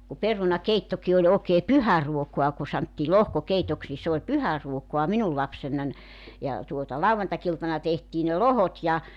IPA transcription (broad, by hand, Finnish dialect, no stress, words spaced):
ku perunɑkeitːoki olʲ oːkeː pyhæruokuɑ ku sɑntːiː lohkokeitoks ni s oːlʲ pyhæruokoɑ minul lɑpsenːɑn jɑ tuotɑ lɑuʋɑntɑkiltɑnɑ tehtiː ne lohot jɑ